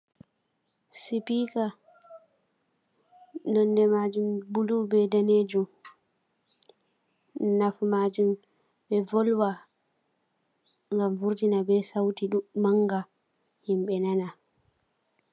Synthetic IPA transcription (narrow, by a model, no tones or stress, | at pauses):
sipika | ndɔndɛmad͡ʒumbulubɛdaneːd͡ʒum | nafmaːd͡ʒum | bɛvɔlwa | ŋɡamvuɾtinabɛsawtiɗumaŋɡa | himɓɛnana